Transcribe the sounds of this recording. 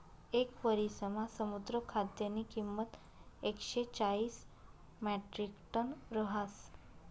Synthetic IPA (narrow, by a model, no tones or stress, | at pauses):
ekʋəɾisəmãsəmud̪ɾəkʰad̪jənikimːət̪ | ekʃet͡ʃais | mɛʈɾikʈənɾəɦas